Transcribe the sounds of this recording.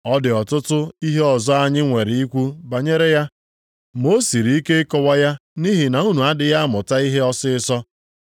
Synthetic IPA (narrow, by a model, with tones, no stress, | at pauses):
ɔ˦dɪ˨ɔ˨tʊ˦tʊ˦i˦ɦe˦ɔ˨zɔ˦a˦ɲɪ˦ŋʷe˨ɾɪ˨i˦kʷu˦ba˨ɲe˦ɾe˦ja˦ | mo˦si˨ɾi˨i˦ke˦ɪ˦kɔ˦wa˦ja˦ni˦ɦɪ˨na˨u˦nu˨a˦dɪ˨ja˦mʊ˨ta˦i˦ɦe˦ɔ˦sɪ˦sɔ˦